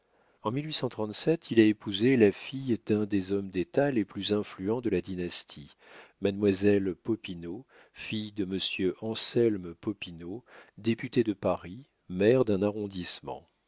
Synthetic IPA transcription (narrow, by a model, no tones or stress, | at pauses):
ɑ̃milɥisɑ̃t̪χɑ̃t̪sɛt̪ʰilaepuzelafijd̪ɛ̃d̪ezɔmd̪et̪aleplyzɛ̃flyɑ̃d̪əlad̪inast̪ʰi | madnmwazɛlpɔpino | fijd̪əməsjøʔɑ̃sɛlmpɔpinod̪epyt̪ed̪əpaʁi | mɛʁd̪ɛ̃naʁɔ̃d̪ismɑ̰̃